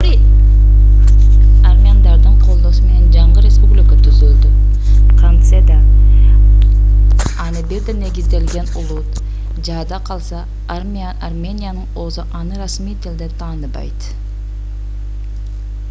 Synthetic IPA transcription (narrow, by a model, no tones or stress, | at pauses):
armʲiand̪ɑɾd̪əɴqʰo̞lˠd̪osəme̞ne̞nd͡ʒɑɴʁəɾe̞spublʲikət̪ʰʏzʏld̪ɪqʰant̪sed̪a | ɑnəbeɾd̪ene̞ɡʲizt̪ːe̞lɡʲe̞nʊlˠut̪ | d͡ʒɑːd̪ɑqʰɑlˠsɑ | m | armʲenʲijanəɴo̞zəʔɑnɯɾɑsmijt̪ʰɪld̪et̪ʰɑːnɯbɑ̰jd̪